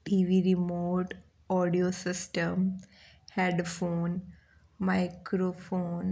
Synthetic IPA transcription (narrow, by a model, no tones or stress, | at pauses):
ʈiʋiɾimoːʈ | ɔɖiosɪsʈəm | heɖfoːn | maɪkɾofoːn